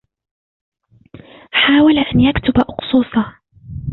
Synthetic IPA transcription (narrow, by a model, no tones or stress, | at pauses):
ħaːwalaʔanjakt̪ʊbaʔʊqsˤuːsˤɑ